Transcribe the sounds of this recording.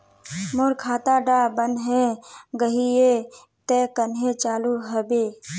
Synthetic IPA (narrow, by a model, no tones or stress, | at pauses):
mʊɾkʰaːt̪aɖaːbənɦẽɡəɦie | t̪ekənɦẽt͡ʃaːluɦəbeː